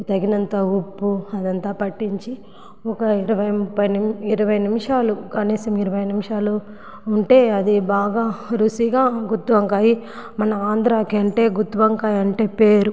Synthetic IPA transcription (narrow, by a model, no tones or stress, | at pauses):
t̪ɐɡinɐnt̪aːupːuɐd̪ɐnt̪aːpɐʈːiɲt͡ʃi | ɔkɐiɾɐʋɐjmupːɐjniɾɐʋɐjnimiʂaːlukɐniːsɐmiɾɐʋɐjnimiʂaːluː | ɳʈe̞ːɐd̪ibaːɡaːɾusiɡaːɡut̪ːʋɐŋkaːjimɐnɐaːnd̪ɾaːkiɐɳʈe̞ːɡut̪ːʋɐŋkaːjɐɳʈe̞ːpeːɾu